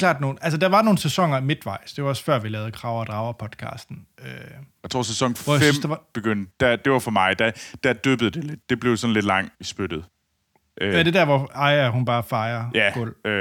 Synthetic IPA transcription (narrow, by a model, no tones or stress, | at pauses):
kʰlɑ̰̈ːd̥no̝ːn̩æls̬əd̥æ̈ʋɑ̈no̝ːn̩sesɒ̽ŋ̰ɐimed̥ʋɑ̈ɪ̰sd̥e̝ʋɑɒ̽sfɶɐ̰ʋilɛːʊð̞̩ˠkʰʁɑ̈ʊ̰ɐd̥ʁɑ̈ʊɐpʰɒ̽d̥kʰɑ̰̈ːsd̥n̩øjaɪt͡sʰʁo̝̰ɐsesɒ̽ŋ̰ʋɒjasynsd̥eʋɑb̥eɡ̥øn̰d̥d̥æd̥e̝ʋɑ̈fɒ̽mɑ̈ɪd̥æd̥æd̥øːb̥ð̩ˠd̥e̝le̝d̥̚d̥e̝b̥le̝ʊsɒ̽n̩le̝d̥lɑ̈ŋ̰isb̥ød̥ð̩ˠ | ʔʋæɐd̥e̝dæɐ̰ʋɒɑ̈ɪæhunb̥ɑ̈ːfɑ̈ɪɐjæɡ̥ɔl̰